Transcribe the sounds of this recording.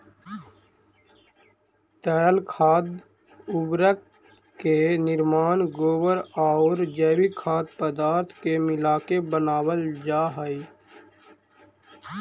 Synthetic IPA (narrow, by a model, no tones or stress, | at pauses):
t̪ɛːɾəlkʰaːd̪ | ʊbɾək | kenɪɾmaːnɡoːwəɾaːɾd͡ʒɛːwikʰaːd̪pəd̪aːɾt̪ʰkemɪlaːkebənaːwəld͡ʒaːɦəi